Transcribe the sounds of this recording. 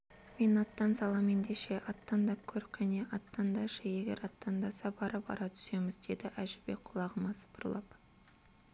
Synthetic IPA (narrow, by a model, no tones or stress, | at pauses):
me̞nɑt̪ːɑnsɑlˠɑme̞nd̪e̞ʃe̞ʔɑt̪ːɑnd̪ɑp̚kʲʰɵɾɪkʒæneʔɑt̪ːɑnd̪ɑʒɑje̞ɡʲe̞̰ɾɑt̪ːɑnd̪ɑsɑbɑɾəpɑ̰ɾɑt̪ʰʏ̥se̞mɪzd̪e̞d̪ɪʔæʒɪbe̞k̚qʰʊlˠɑʁəmɑsə̥bʊɾlˠɑp